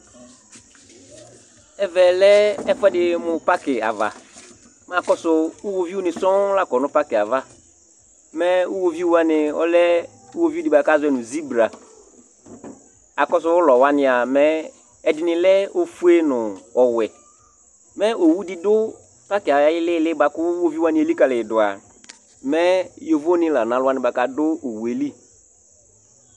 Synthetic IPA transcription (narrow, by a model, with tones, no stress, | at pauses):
ɛ˨vɛ˨lɛ˦ɛ˦fɛ˦dɪ˨mʊ̃˨pa˦kɪ˨a̰˨va̰˨ | m˦˨a˨kɔ˦sʊ˨ʊ˦wo˨vi˦wʊ˦nɪ̃˨sɔ̃˦la˦kɔ˨nʊ̃˦pa˦kɪ˨a˨va˦ | mɛ˦ʊ˦wo˨vi˦wo˦a˦nɪ̃˨ɔ̰˦lɛ˦ | ʊ˦wo˨vi˦o˦di˨ba˨ka˦zʊ˦ɛ˦nʊ̃˨zi˦bɾa˨ | a˨kɔ˦sʊ˦wʊ˦lɔ˨wa˦nɪ̃˦a˨mɛ˦ | ɛ˨dɪ˨nɪ̃˨lɛ˦o˦fu˦e˦nʊ˨ɔ˨wɛ˨ | mɛ˦o˨wu˦dɪ˦dʊ˦ | pa˦kɪ˨a˨a˨˦jɪ˦lɪ˦˨lɪ˦ba˨kʊ˦wo˦vi˦wa˦nɪ̃˨˦e˨li˦ka˨lɪ˨dʊ˨a̰˨ | mɛ˦jo˨vo˦nɪ̃˦la˨nã˨˦lʊ˦a˦nɪ̃˨ba˨ka˨dʊ˦o˨wu˨e˨li˦